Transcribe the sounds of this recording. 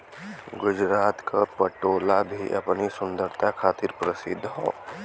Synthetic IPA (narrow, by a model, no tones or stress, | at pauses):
ɡʊd͡ʒɾaːt̪kapɐʈoːlabʱiʔɐ̰pnisʊ̃nd̪əɾt̪ʰakʰaːt̪ɪɾpɾɐsɪ̰d̪ʱːɦõ̰ː